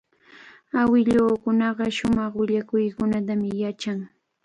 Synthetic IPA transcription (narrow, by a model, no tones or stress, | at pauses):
awɪʎoːkʊnɑɢɑʃʊmɑχwɪʎakʊjkʊnat̪amɪjat͡ʃaŋ